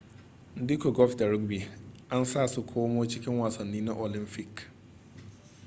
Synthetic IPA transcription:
n˦di˦ko˨ɡɔ˦lfda˨ɾʊ˦ɡbi˨ʔa˦nsa˦˨su˦˨kʷʰoː˦moː˦t͡ʃɪ˦kʲɪ˦ŋwaː˨sɐ˨nːiː˦na˦ʔo˨lɪ˦mpɪ˦˨k

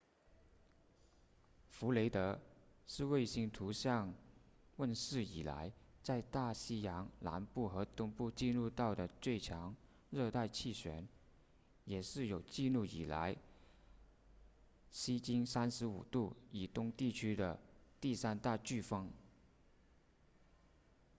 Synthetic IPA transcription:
fu˧˥le˧˥ɪt̪ɤ˧˥ʂɻ̩˥˧we˥˩ɪɕi˥ŋt̪ʰu˧˥ɕjɑ˥˧ŋ | wə˥˧nʂɻ̩˥˩ḭ˨˩la̰˧˥ɪt͡sa˥˧ɪt̪a˥˩ɕi˥jɑ˧˥ŋla̰˧˥npu˥˩xɤ˧˥t̪ʊ˥ŋpu˥˧t͡ɕi˥˧nɻu˥˧t̪ɑ˥˩ʊd̪ə˩t͡swe˥˩ɪt͡ɕʰjɑ˧˥ŋ | ɻɤ˥˧t̪a˥˧ɪt͡ɕʰi˥˩ɕɥɛ̰˧˥n | jɛ˨˩ʂɻ̩˥˩jo˨˩ʊt͡ɕi˥˧lu˥˩ḭ˨˩la̰˧˥ɪ | ɕi˥t͡ɕi˥ŋsa˥nʂɻ̩˧˥ṵ˨˩t̪u˥˩i˨˩t̪ʊ˥ŋt̪i˥˩t͡ɕʰy˥d̪ə˨t̪i˥˩sa˥nt̪a˥˧t͡ɕy˥˩fɑ˥ŋ

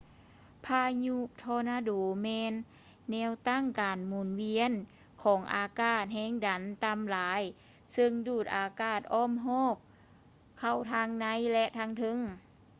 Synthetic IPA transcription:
pʰaː˧ɲu˧t̪ʰɔː˧naː˧doː˨˩mɛː˧nː | ɛː˧˥wt̪a˧˥˨ŋkaː˨˩nmuː˨˩nwi˧ən | kʰɔː˩˦ŋʔa̰ː˨˩kaː˧˩t̪̚hɛː˧˥˨ŋda˨˦nt̪a˧mlaː˨˧˦j | sɯ˧ŋduː˧˩t̪̚ʔaː˨˧kaː˧˥˩t̪̚ʔɔː˧˥˨mɦɔː˥˩˨p̚ | kʰa˧˩wt̪ʰaː˧ŋna˧˥˨jlɛ˧ʔt̪ʰaː˧ŋt̪ʰɤ˧˥˨ŋ

